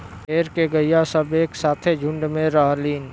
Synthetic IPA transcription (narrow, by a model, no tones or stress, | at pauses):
peːɾkeɡəijasəbeːksaːt̪ʰed͡ʒʱʊ̃ɳɖmẽɾəɦliːn